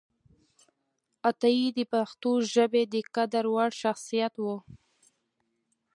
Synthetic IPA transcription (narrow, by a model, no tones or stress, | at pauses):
at̪aid̪əpaxt̪oʒəbed̪əkad̪aɾwaɽʃaxsijat̪wu